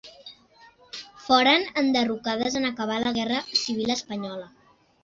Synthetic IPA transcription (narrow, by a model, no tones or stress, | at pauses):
fɔɾənənd̪ərukaðəzənəkəβ̞aləɣ̞ɛrəsiβ̞iləspəɲɔlə